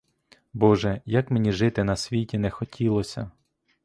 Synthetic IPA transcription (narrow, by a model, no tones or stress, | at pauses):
bɔʒɛjɐkmenʲiʒɪt̪ɪnɐsʲʋʲitʲinɛxɔtʲʰilˠɔsʲɐ